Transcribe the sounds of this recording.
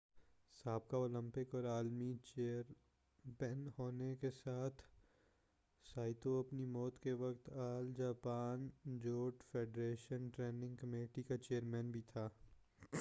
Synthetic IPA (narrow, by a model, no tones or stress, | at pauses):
saːb̚kaoːlə̃mpɪkɔːɾaːlmit͡ʃeːəɾ | pɛːnhoːnekesaːt̪ʰ | saːɪt̪oɐpnimɔːt̪keʋɐkt̪aːld͡ʒaːpaːnd͡ʒoːʈfeːɖɾeːʃənʈɾeːnɪ̃ŋɡkɐmeːʈikat͡ʃeːəɾmɛːnbʱit̪ʰaː